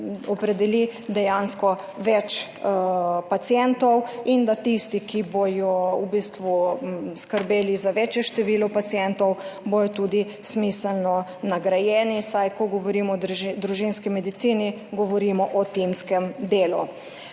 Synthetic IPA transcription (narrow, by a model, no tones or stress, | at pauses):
ɔpɾɛd̪ɛlid̪ɛjanskɔ | ʋɛt͡ʃ | pat̪sjɛnt̪ɔwind̪at̪ist̪ikibojɔubist̪ʋuskəɾbeːlizaʋɛt͡ʃjɛʃt̪ɛʋiːlɔpat̪sijɛnt̪ɔwbojɔt̪uːd̪i | smisəlnɔnaɡɾajɛːnisajkɔɡɔʋɔɾiːmɔd̪d̪ɾuʒinskimɛd̪it̪siːni | ɡɔʋɔɾiːmɔʔɔt̪imskɛmd̪eːlu